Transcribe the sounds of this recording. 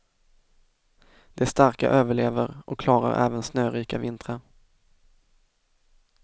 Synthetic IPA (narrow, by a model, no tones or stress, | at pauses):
d̪̥ɛst̪aɾka̰ʔøːvəɭeːvəɾʔɔ̰kʰlɑːɾa̰ɾɛ̰ːvənsnøːɾiːkavɪnt̪ɾə